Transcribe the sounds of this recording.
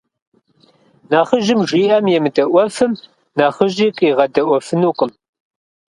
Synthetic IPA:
naːχəʒɪmʒiːɐmjɛmɨdɐʔʷɔfɨm | naːχəʒiːqʼiːʁɐdɐʔʷɔfɨnuːqʼəm

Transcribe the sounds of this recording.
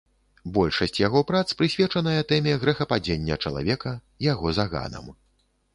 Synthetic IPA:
bɔlʲʂɐsʲt͡sʲjaɣɔpɾat̪spɾɨsʲvʲɛt͡ʂɐnɐjɐt̪ɛmʲɛɣɾɛxɐpad͡zʲenʲːɐt͡ʂɐlˠa̰vʲɛkɐ | jaɣɔzaɣa̰nɐ̰m

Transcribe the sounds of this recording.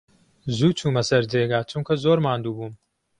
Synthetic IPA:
zuːt͡ʃʰuːmɐsɐɾd͡ʒeːɡaːt͡ʃʰʊmkʰɐzoːɾmaːnd̪uːbuːm

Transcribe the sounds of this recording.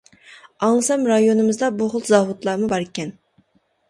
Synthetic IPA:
ɑŋsɑmɾɑjonɨmɨzd̪ɑbʊʁʊlˠzɑvʊt̪lˠɑːmubɑɾɪkʲɛn

